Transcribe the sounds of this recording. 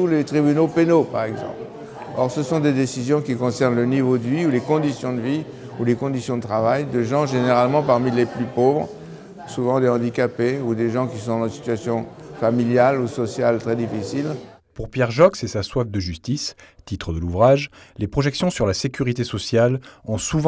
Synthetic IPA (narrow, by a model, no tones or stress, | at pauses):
t̪ulet̪χibynopenopaʁɛɡzɑ̰̃pl | ɔ̰ʁsəsɔ̃d̪ed̪esizjɔ̃kʲikɔ̃sɛʁnlənivod̪əviulekɔ̃d̪isjɔ̃d̪əvi | ulekɔ̃d̪isjɔ̃d̪ət̪χavajd̪əʒɑ̃ʒeneʁalmɑ̃paʁmileplypovʁ | suvɑ̃d̪eɑ̃d̪ikapeud̪eʒɑ̃kʲisɔ̃d̪ɑ̃si̥t̪ɥasjɔ̃familjalusɔsjalt̪χɛd̪ifisilpuʁpjɛʁʒɔksɛsaswafd̪əʒyst̪ist̪it̪χəd̪əluvʁaʒlepχɔʒɛksjɔ̃syʁlasekʲyʁit̪esɔsjalɔ̃suvɑ̃